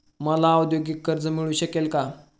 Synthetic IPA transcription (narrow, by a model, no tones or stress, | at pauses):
məlawd̪joɡikːəɾd͡zəmiɭuːɕəkelka